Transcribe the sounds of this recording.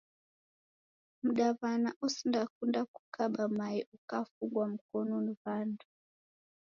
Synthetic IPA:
m̩ɗaβanaʔusindakundaku̥kaɓamaiʔukafuŋɡwam̩kɔnɔniβandu

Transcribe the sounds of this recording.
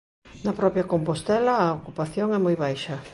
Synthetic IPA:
nɐpɾɔpjɐkompost̪ɛlɐːokupaθjoŋɛmojβajʃɐ

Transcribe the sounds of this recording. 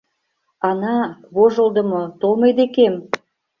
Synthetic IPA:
ɑnɑβoʒəld̪ə̆mot̪olˠmɤjd̪ekem

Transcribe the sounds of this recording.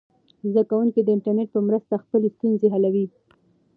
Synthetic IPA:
zd̪akawuŋkid̪əɪɳʈaɾneʈ̚pəmɾəst̪axpəlest̪unzeɦalawi

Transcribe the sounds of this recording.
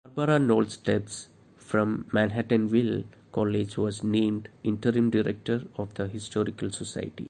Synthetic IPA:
ɐɾbəɾanɔːlsʈeps | fɾɔ̃mːæ̃nɦæʈə̃nʋil | kɔːled͡ʒʋɔːznẽːmɖɪ̃ɳʈəɾĩmɖɪɾek̚ʈəɾɔʋd̪əɦɪsʈɔːɾikəlsosa̰ɪʈḭ

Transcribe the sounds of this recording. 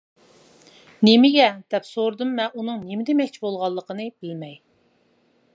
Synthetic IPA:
nemɪɡʲɛd̪̥ɛpsoɾd̪ɨmːɛʔunɨŋnemɪd̪ɛmɛk̚ʲt͡ʃʰibolˠʁɑlˠːəqənɨbɪlmɛj

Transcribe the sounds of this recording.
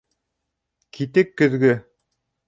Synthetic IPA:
kʰit̪ɘkːɵ̆ðɡɵ

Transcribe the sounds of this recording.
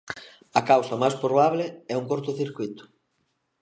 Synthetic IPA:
ɐkawsɐmajspɾoβaβleɛuŋkoɾt̪ʊθiɾkwit̪ʊ̥

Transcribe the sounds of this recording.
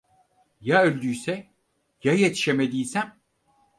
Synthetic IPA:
jaølʲd̪yjsɛ | jajet̪ʰi̥ʃemed̪iːsæm

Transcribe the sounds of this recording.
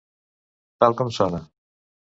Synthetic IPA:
t̪alˠkɔmsɔna

